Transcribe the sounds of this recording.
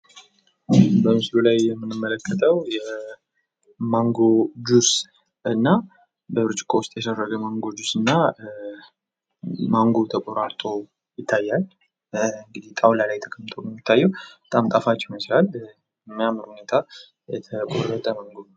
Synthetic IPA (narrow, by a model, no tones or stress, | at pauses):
bəmɨslulajːɛmːɨnːɨmːələkʰːət̪ʰʼəwjɛ | maŋɡo̞d͡ʒus | ɨnːa | bəβɨɾt͡ʃʼɪ̥kʰowʊst̪ʼjɛsərːəɡəmaŋɡod͡ʒusɨnːa | maŋɡot̪ʰəkʼoɾaɾt̪ʼo̞ | jɪt̪ʰːajːal | ɨŋɡɨd̪iht̪ʼawlalajt̪ʰəkʰəmt̪ʰobəmːɪt̪ʰːajːɛwbət̪ʼamt̪ʼafat͡ʃːɪmət͡ʃlal | ɨɲːamnhune̞t̪ʰa | jɛt̪ʰəkʼorːət̪ʼəmaŋɡo